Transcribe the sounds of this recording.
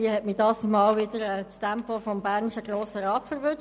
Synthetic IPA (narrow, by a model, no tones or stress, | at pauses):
iəhɛtmɪdɑːsmɑːlʋɪdəɾɛːt͡stɛmpofɔmbæʁnɪʃəɡroːsəɾɑːpfəɾvø